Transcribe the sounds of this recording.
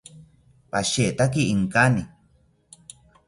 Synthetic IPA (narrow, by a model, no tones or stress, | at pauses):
paʃeʔt̪ak̬iiŋkani